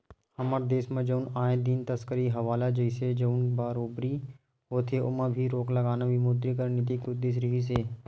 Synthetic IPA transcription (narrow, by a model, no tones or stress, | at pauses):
həməɾd̪eːsmẽd͡ʒəʊnaːẽd̪int̪əskəɾiɦɐʋaːlad͡ʒəised͡ʒəʊnbaːɾoːbɾi | ɦoːt̪ʰeʊmãbʱiɾoːkləɡaːnabimoːd̪ɾikəɾnit̪̬ikʊd̪ɪs̬ɾɪɦis̬eː